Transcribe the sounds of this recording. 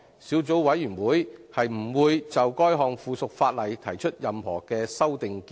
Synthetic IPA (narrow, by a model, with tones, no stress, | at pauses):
siː˨˥wt͡so˨˥wwɐ˨˥jːyː˨˩nwuː˨˥jhɐ˨jm̩˨˩wuː˨˧jt͡sɐ˨wkɔː˥jɦɔː˨˧ŋfuː˨sʊ˨k̚faː˧t̚lɐ˨˩jt̪ʰɐ˨˩jt͡ʃʰɵ˥t̚jɐ˨mhɔ̰ː˨˩kɛː˧sɐ˥wt̪ɪ˨ŋk